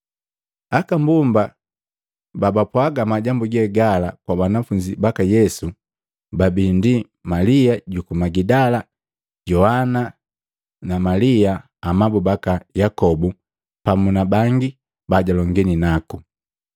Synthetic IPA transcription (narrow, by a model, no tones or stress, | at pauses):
akambumba | babapwaɡamaɟambuɡɛɡalakwabanafuɲd͡ʒibakajɛsu | babindi | maliaɟukumaɡidala | ɟɔhana | namaliaː | mabubakajakɔbu | pamunabaŋɡi | baɟalɔŋɡɛninaku